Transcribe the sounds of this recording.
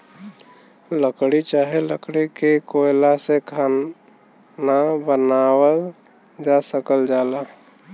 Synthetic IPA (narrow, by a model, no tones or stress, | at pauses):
ləkɽit͡ʃaːɦeləkɽikekoɪlasekʰaː | nabənaːwəl | d͡ʒasəkəld͡ʒaːla